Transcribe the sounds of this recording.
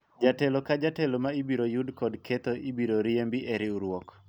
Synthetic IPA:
d͡ʒatelokad͡ʒatelomaibiɾojudkɔdkʰet̪oʔibiɾoɾiembiʔeɾɪuɾwɔk

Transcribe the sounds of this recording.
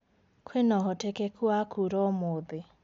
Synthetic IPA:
kʰwenɔɦɔtekekʰuakʰuɾɔmoðɪ

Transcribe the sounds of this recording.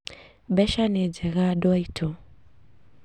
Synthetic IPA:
bɛʃaned͡ʒɛɣadwaitʰɔ

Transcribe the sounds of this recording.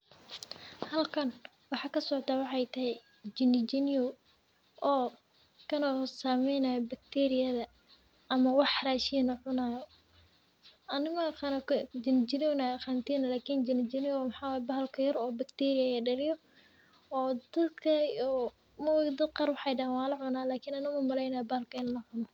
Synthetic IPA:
hɐlkʰɐn | wɑħɑːkʰɐsɔʕt̪ʰaːwɑħɑjt̪ʰɐɦɛj | d͡ʒɪnːɪd͡ʒɪniɔ | ʔɔː | kʰɐnɔːsaːmɛjnajɔbɐk̚t̪ʰɛɾɪjɐðɐ | ʔɐmɐwɑħraːʃinɐʕʊnaːjɔ | ʔɐnɪmɐqankd͡ʒɪnɪd͡ʒɪnjɔnaqant̪ʰiːnɐlaːkʰiːnd͡ʒɪnɪd͡ʒɪnɪjwmħɑːwaːjɛbɐhɐlkʰɐjɐɾɔːbɐkt̪ʰɛɾɪjɐjɐɖɐlɪjɔ | ɔːd̪̥ɐd̪kʰɐɔː | mɐwd̪ɐd̪̚qɑːɾwɑħɑjɖɐɛnwaːlɐʕʊnaːlaːkʰiːnɐnɪmɐmɐlɛjnɐːjɔbɐhɐlkʰɐɪlnɐʕʊnɔ

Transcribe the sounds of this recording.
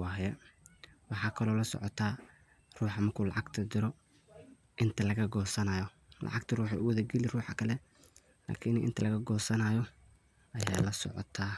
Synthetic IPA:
wɑːɦjɛ | wɑħɑːkʰɐlɔːlɐsɔ̰ʕɔt̪ʰaː | ruːħɑmɐrkʰuːlɑ̰ʕɑɡt̪ʰɐd̪ɪɾɔ | ʔɪnt̪ʰɐlɐɣɐɡɔːsɐnaːjɔ | lʔɑ̰ʕɑɡt̪ʰɐruːħɛ̰ʔʊwɐðɐɡɛlɪruːħɑkʰɐlɛ | la̰ːkʰinʔɪ̰nt̪ʰɐlɐɣɐɡɔːsɐnaːjɔ | ʔɐja̰ːlɐsɔ̰ʕɔ̰t̪ʰaː

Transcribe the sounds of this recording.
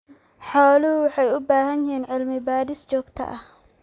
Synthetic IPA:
ħɔːlʊhʊwħɑjʊbaːɦɐnɪhiːnʕɪlmɪbaːɾɪst͡ʃɔːɡt̪ʰɐ̰ʔɐh

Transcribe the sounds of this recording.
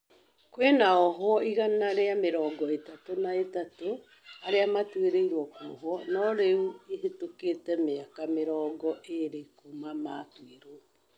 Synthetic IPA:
kwenaɔɦwɔiɣanaɾeameɾɔːɡɔetatonaetato | aɾeamatweɾeiɾwɔko̰ɦwɔnɔɾeueɦetokeːtɛmeakameɾɔːɡɔʔeɾekomamatweɾo

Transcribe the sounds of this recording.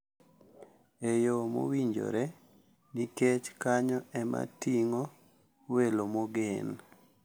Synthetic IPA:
ejomo̰wiɲd͡ʒo̰ɾɛ | niket͡ʃkaɲɔɛma̰tiŋo | welomoɡen

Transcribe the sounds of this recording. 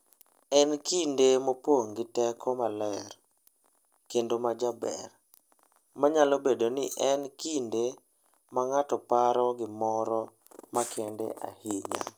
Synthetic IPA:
ɛnkindemopwoŋɡɪtɛkʰɔmalɛɾ | kendomad͡ʒabɛ̰r | maɲalobedonɪʔɛnkinde | maŋatɔpaɾɔɡɪmɔɾɔ | makʰendḛʔa̰hiɲa̰

